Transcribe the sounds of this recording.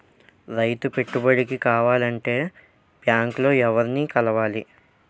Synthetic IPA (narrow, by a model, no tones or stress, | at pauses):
ɾɐjt̪upe̞ʈːubɐɽikikaːʋaːlɐɳʈe̞ː | pjaːŋklo̞ːɛʋɐɾniːkɐlɐʋaːli